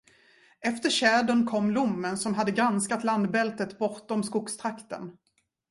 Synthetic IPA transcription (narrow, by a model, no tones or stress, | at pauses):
ɛft̪əɾɕɛːd̪ʊnkʰɔmːlʊmːənsɔmɦad̪ːəɡɾanskat̪land̪bɛlt̪ət̪bɔɾt̪ɔmskʊkst̪ʰɾakt̪ə̰n